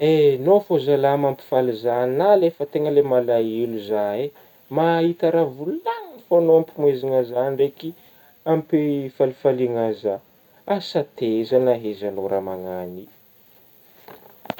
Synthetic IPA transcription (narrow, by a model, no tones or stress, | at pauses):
enofozalamampi̥falizannalefət̪eŋəlemalajiluzae | maɦit̪aɾavulannifanoampimweziŋazanɳreki | ampifalifaliŋaza | asat̪ezanaɦezanoɾamaŋani